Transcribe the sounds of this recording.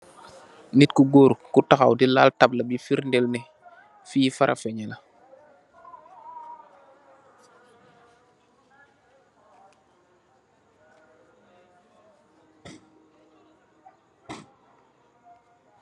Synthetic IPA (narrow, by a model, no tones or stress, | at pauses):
nitkuɡoɾkutaxawdilaːltab̚labifiɾndɛlnɛ | fiːfaɾʔa̰fɛɲɛla